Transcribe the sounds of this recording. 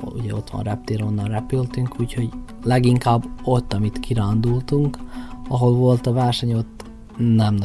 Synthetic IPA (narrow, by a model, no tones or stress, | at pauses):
ṵɟɛ̰o̞t̪ʋɒ̰nrɛp̚t̪eːɾonːɒnrɛpylt̪yŋkuːcho̞ɟ | lɛɡiŋkaːbːo̞t̪ːɒmit̪kiɾaːnd̪ult̪uŋkɒɦo̞lvo̞lt̪ɒvɛrʃɛɲo̞t̪ː | nɛmn